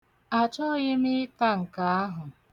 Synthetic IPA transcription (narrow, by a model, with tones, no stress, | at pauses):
a˨t͡ʃɔ˦˨ɣɪ˦mi˦ɪ˦ta˦ŋ̩˨ka˨a˦ɦʊ˨